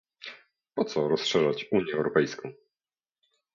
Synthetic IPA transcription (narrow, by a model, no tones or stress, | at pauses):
pɔt̪sɔɾɔsʂɛʐat͡ɕuɲjɛɛwɾɔpɛjskɔ̃w̃